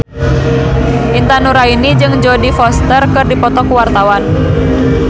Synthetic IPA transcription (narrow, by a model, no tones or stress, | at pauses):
ʔint̪anuɾainid͡ʒɨŋd͡ʒɔdifɔst̪ərkɨrdipɔt̪ɔkuwart̪awan